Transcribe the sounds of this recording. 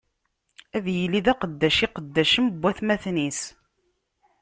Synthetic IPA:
æðjəliðæqəd̪ːæʃiqəd̪ːæʃəmbʷːæθmæθnis

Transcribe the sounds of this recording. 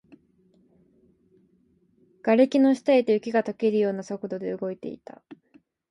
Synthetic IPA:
ɡ̥aɾe̞kʲino̞ɕi̥t̪aet̪e̞ɯ̟kʲiɡat̪o̞ke̞ɾɯ̟jo̞ːnaso̞kɯ̟d̪o̞d̪e̞ɯ̟ɡo̞it̪e̞̰ḭt̪a̰

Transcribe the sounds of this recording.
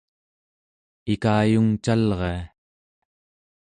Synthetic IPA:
ikaːjuŋt͡ʃalʁea

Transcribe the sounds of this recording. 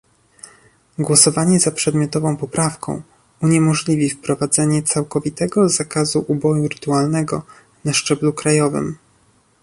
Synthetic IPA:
ɡwɔsɔvaɲɛzapʂɛd̪mʲjɔt̪ɔvɔ̃w̃pɔpɾafkɔ̰̃w̃ | uɲɛmɔʐlʲivʲifpɾɔvad̪zɛɲɛt̪sawkɔvʲit̪ɛɡɔzakazuʔubɔjuɾɘt̪ualnɛɡɔ | naʂt͡ʂɛblukɾajɔvɘ̰m

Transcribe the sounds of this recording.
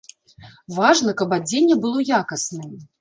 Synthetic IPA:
vaʐnɐkɐpad͡zʲenʲːɛbɨlˠɔjakɐsnɨ

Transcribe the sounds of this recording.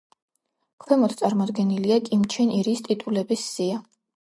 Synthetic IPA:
kʰwɛmɔt̪ʰt̪sʼaɾmɔd̪ɡɛniliakʼimt͡ʃʰɛniɾist̪ʼit̪ʼulɛbisːia

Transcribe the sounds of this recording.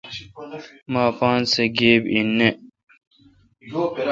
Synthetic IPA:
maːpaːnseɡeːbinːe

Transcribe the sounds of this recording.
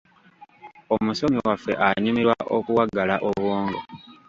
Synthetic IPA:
o̞muso̞miwafːe̞̰ʔaɲumiɾwaʔo̰kuwaɡalaʔo̞βwoːŋɡo

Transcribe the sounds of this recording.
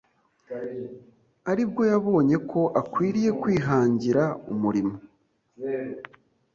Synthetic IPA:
aɾib̚ɡo̞jaβo̞ːɲe̞kʰo̞ʔakwiːɾije̞kwiːɦaːɲɟiɾaumuɾimo

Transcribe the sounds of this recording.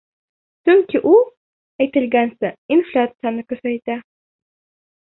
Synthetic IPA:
t͡ʃʰɵŋkʲʰɪʔu | ajt̪ɪlɡʲansɪinflʲat̪sɨanɨkʲɵsajt̪a

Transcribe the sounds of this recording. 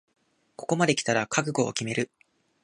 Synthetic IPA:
ko̞̥ko̞mad̪e̞kʲi̥t̪aɾakʰakɯ̟ɡo̞̰ːkʲime̞ɾɯ̟

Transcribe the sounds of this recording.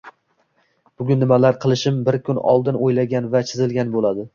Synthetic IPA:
b̥ʊɡʲʊnːɪmalaɾqʰɨlˠɪʃɪmbɪɾkʲʰʊnɒ̰lˠd̪ɪnojlaɡʲanvat͡ʃʰɪzɪlɡʲanbolad̪ɪ

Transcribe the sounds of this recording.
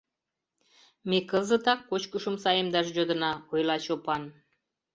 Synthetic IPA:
mekɤzət̪ɑkːot͡ɕkuʃəmsɑjəmd̪ɑʃʒod̪ə̆nɑojlˠɑt͡ɕopɑn

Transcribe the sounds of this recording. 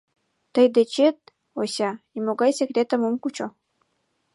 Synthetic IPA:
t̪əjd̪et͡ɕet̪̚ | osʲɑimoɡɑjsʲekɾʲet̪ə̆momkut͡ɕo

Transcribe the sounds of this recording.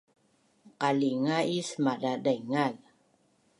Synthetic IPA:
qaliŋaisəmadadajŋal

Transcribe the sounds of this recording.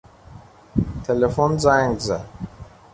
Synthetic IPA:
tʰelefɔnzãŋɡza

